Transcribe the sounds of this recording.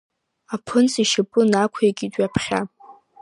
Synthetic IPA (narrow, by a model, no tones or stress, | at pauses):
apʰɨnt͡sʼiʃapʼʊnakʷʰjaɡʲʼidʷʼɥapʰχʲa̰